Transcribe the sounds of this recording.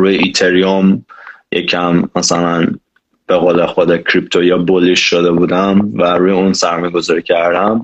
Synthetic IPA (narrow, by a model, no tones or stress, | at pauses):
ɾuːjeit̪ʰeɾiomjʔḛcʰæmːæsælæn | b̥eɣoːlexod̪ecʰɾip̚t̪ʰojɑboliʃʃod̪ebuːd̪æmvæɾuːjeunsæɾmɔːjeɡozɒːɾicʰæɾd̪æm